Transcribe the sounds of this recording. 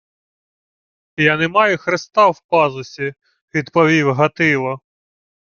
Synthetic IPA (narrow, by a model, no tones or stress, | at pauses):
janɛmɑjʊxɾɪst̪ɑwpɑzʊsʲi | ʋʲid̪pɔʋʲiwɦɐt̪ɪʋɐ